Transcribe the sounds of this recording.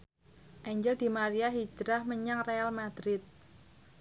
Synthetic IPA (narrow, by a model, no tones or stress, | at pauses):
ʔɛɲd͡ʒəld̪̥i̤maɾiaɦi̥d͡ʒɾahməɲaŋrealmad̪̥ɾɪt̪̚